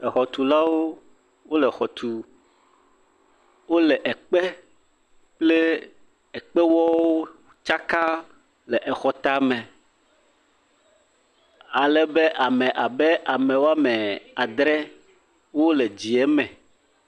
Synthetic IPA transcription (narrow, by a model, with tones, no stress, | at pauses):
ɛ˨xɔ˨t̪u˨la˦wo˦ | wo˦lɛ˨xɔ˨t̪ʰu˨ | wo˦lɛ˨ʔɛ˨k͡pɛ˦ | k͡ple˦ | ɛ˨k͡pɛ˦wɔ˦wo˦ | t͡ʃa˦ka˦ | lɛ˨ʔɛ˨xɔ˨t̪a˦mɛ̃˨ | a˨lɛ˨bɛ˦ʔa˨mɛ̃˨ʔa˨bɛ˦ʔa˨mɛ̃˨wo˦a˦mɛ̃˨a˨d̪ɾɛ˦ | wo˦le˨d͡ʑi˨ɛ˦mɛ̃˨